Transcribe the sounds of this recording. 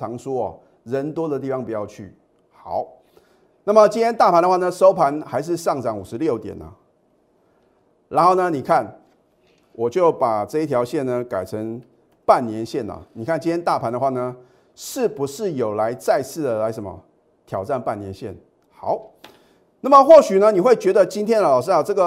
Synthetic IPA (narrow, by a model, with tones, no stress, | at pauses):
ɑ˧˥ŋʂwɔ˥ɐ˨ | ɻə˧˦nt̪wɔ˥d̪ə˨t̪̬i˥˩fɑ˦ŋpu˨˩jɑ˥˧ʊt͡ɕʰy̰˥˩ | xɑ˨˩˦ʊ | na˥˩mə˨t͡ɕi˥nt̪ʰjɛ˥nt̪a˥˩pʰa˧˦nd̪ə˧xwa˥˩nə˨ʂo˥ʊpʰa˧˥nxa˧˥ɪʂ̬ɻ̩˥˧ʂɑ˥˩ŋt͡sɑ˨˩ŋu˨˩ʂɻ̩˧˦ljo˥˩ʊt̪jɛ̰˨˩nə̰˨˦ | ɻa˧˥nxo˥˩ʊnə˧ni˨˩kʰa˥˩n | wɔ˨˩t͡ɕjo˥˩ʊpa˨˩ʈ͡ʂɤ˥˧i˥˩jɑ˧˥ʊɕjɛ˥˩˨nːə˩ka˨˩ɪʈ͡ʂʰə˧˥ŋ | pa˥˩nnjɛ˧˥nɕjɛ˥˩nə̰˨˩ni˨˩kʰa˥˩nt͡ɕi˥nt̪jɛ˥nt̪a˥˩pʰa˧˥ndə˧xwa˥˩nə˩ | ʂɻ̩˥˩pu˧˥ʂɻ̩˥˩jo˨˩ʊla˧˥ɪt͡sa˥˧ɪsʰɹ̩˥˩d̪ə˩la˧˥ɪʂə˨˩˦mə̰˦ | t̪ʰjɑ˨˩ʊʈ͡ʂa˥˧npa˥˩nːjɛ˧˦nɕjɛ̰˥˩n | xɑ˨˩˦ʊ | na˥˩mə˨xwɔ˥˩ɕy˨˩nə˦ni˨˩xwe˥˩ɪt͡ɕɥɛ˧˥d̪ə˨t͡ɕi˥nt̪ʰjɛ˥nə˨lɑ˨˩ʊʂ̬ɻ̩˥a˥˩ʈ͡ʂɤ˥˩ɡə˨